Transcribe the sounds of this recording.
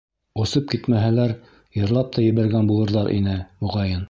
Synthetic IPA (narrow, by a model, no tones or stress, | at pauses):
ŏsɤp̚kit̪mæɦælæɾ | jɤ̆ɾlˠɑp̚t̪ɑjɘ̆βæɾɡænbulˠɤ̆ɾðɑɾʔḭnɘmuʁɑjɤn